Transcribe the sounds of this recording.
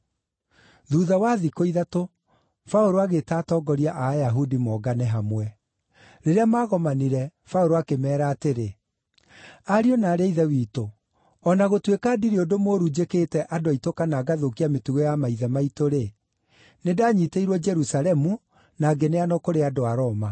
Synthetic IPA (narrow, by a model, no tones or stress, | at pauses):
ðuðawaðikoiðato | faoɾoaɣetaːtɔːɡɔɾiaʔajaɦudimɔɡanɛɦamwɛ | ɾeɾeamaːɣɔmaniɾɛfaoɾoakemɛːɾaːteɾe | aɾiɔnaːɾeaiðɛwiːto | ɔnaɣotwekadiɾiodomoːɾud͡ʒekeːtɛʔadoaitokanaːɡaðokiametuɣojamaiðɛmaitoɾe | nedaːɲiteiɾwɔd͡ʒɛɾusalɛmu | naɡeneanɔkoɾeadoaɾɔːma